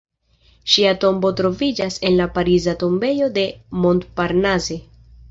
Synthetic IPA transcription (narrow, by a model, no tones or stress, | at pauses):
ʃiato̞mbo̞tɾo̞vid͡ʒase̞nlapaɾizato̞mbe̞jo̞de̞mo̞ntpaɾnaze̞